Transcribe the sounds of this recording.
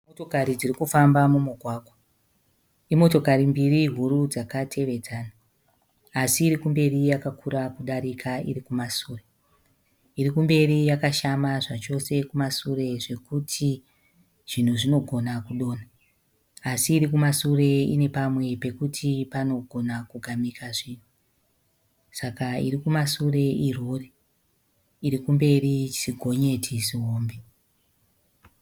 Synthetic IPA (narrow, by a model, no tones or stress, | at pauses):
motokaɾid͡zirikufambamumuɡʱwaːɡwa | imo̞to̞kaɾimbiriɦuɾud͡zakatʰe̞ʋe̞d͡zaːnaː | siːɾikumbe̞rijakakʰuɾakuɗaɾikʰaḭɾikumasuːre̞ | iɾikumbe̞rijakaʃamaʐat͡ʃo̞se̞kumasure̞ʐe̞kutʰi | ʐ̥in̤uʐino̞ɡʱo̞nakuɗo̞ːnaː | siːɾikumasure̞ḭne̞pamwe̞pe̞kutʰipano̞ɡʱo̞nakuɡʱamikaʐiːn̤u | sakaḭɾikumasure̞ʔiroːre | iɾikumbe̞rit͡ʃiɡʱo̞ɲe̞tʰisiɦoːmbe